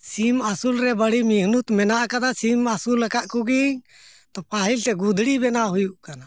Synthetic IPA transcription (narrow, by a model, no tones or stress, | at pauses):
simasulɾɛbəɽimiɦnut̪mɛnaʔkad̪asimasulːɛkaʔkuɡi | t̪ɔpaɦilt̪ɛɡud̪ʱɽibɛnaɦujuʔkana